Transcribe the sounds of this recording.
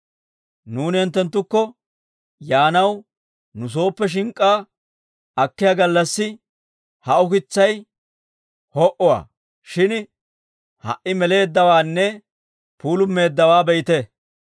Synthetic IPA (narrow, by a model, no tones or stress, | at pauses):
nuːnɪɛnt̪ːɛnt̪ːʊkːɔ | jaːnɐw | nʊs̬o̞ːpːɛʃ̬ɪŋkʼːaː | ɐkːɪjaːɡɐlːɐsːɪ | hɐʔʊkɪt͡sːɐj | hɔʔɔwa̰ː | ʃɪn | hɐ̰ʔːɪmɛle̞ːd̪ːɐwaːnːɛ | puːlʊmːe̞ːd̪ːɐwaːbɛjɪt̪ɛ